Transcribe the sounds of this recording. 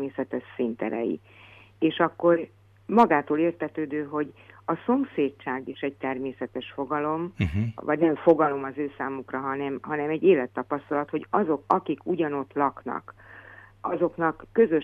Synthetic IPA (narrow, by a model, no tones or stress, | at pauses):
eːsɛt̪ɛʃsint̪ɛ̰ɾɛ̰jḭ | eːʃɒkːo̞r | mɒɡaːt̪oːleːrt̪ɛt̪øːd̪øːɦo̞ɟɒso̞mseːt͡ʃːaːɡiʃɛɟ̚t̪ɛrmeːsɛt̪ɛʃfo̞ɡɒlo̞mvɒ̰ɟnɛmfo̞ɡɒlo̞mɒzøːsaːmukrɒɦɒnɛmɦɒnɛmɛɟːeːlɛt̪ːɒpɒst̪ɒlɒt̪ho̞ɟɒzo̞kɒkikuɟɒno̞t̪lɒknɒ̰k | ɒzo̞kn̪ɒkːøzø̞